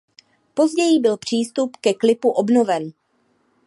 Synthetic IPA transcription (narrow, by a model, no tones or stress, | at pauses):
po̞zɟɛjɪbɪlpr̝̥iːst̪upkɛklɪpuʔo̞bno̞vɛn